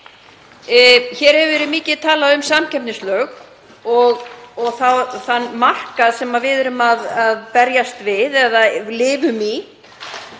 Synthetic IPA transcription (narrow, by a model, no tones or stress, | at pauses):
çɛːɾ̥hɛvɪvɛːɾɪmiːcɪðt̪ʰaːlaʏmsamcʰɛpnɪslœɣ | ɔɣɔɣθawθanːmar̥kaðsɛmaðvɪðɛɾʏmaðaðpɛɾjast̪vɪðɛðalɪːvʏmi